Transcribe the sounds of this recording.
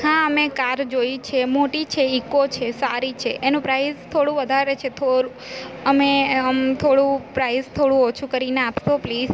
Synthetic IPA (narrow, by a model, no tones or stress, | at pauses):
hãəmekaɾd͡ʒojt͡ʃʰemoʈit͡ʃʰeikot͡ʃʰesaɾit͡ʃʰeʔenũpɾajzt̪ʰoɽũʋəd̪ʱaɾet͡ʃʰet̪ʰoɾu | əmeəmt̪ʰoɽũpɾajzt̪ʰoɽũot͡ʃʰukəɾineapʃopliːz